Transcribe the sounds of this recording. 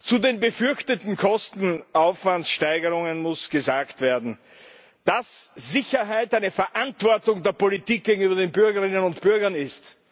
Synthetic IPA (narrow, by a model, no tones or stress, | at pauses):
t͡sudeːnbəfʏɐçtətn̩kʰɔstn̩aʊfv̥antsʃtaɪɡəʁʊŋənmʊsɡ̥əzaːktv̥eɐdn̩ | d̥asz̥ɪçɐɦaɪtæɪnəfɛɐʔantv̥ɔɐtʊŋdeːɐpolitiːk̚ɡ̥eːɡŋ̩yːbɐdeːnbʏɐɡəʁɪnənʊntb̥ʏɐɡɐnɪst